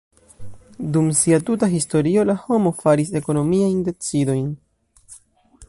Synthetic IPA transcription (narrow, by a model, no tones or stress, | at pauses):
dumsiatutaɦisto̞ɾio̞laho̞mo̞faɾis̬e̞ko̞no̞miajnde̞t͡sido̞jn